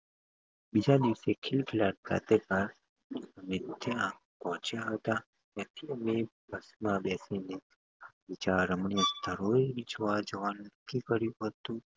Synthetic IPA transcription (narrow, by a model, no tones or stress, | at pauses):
bid͡ʒad̪iʋsekʰɪlkʰilaʈ̚ɡa̰t̪ekaɾ | əmẽt̪ʰeãk | pɔɦɔ̃t͡ʃjaɦət̪a | t̪jãt̪ʰiəmebʱəsmãbɛsine | abid͡ʒaɾəmɳijəst̪ʰəɾoiid͡ʒəʋad͡ʒəʋanəkːikəɾjũɦət̪ũ